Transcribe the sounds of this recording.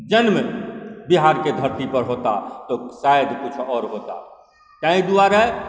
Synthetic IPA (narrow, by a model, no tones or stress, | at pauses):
d͡ʒənmbiɦaːɾked̪ʱəɾt̪ipəɾɦot̪a̰t̪osajd̪kʊt͡ʃʰɔːɾɦot̪a̰ | kãĩd̪uaːɾɛ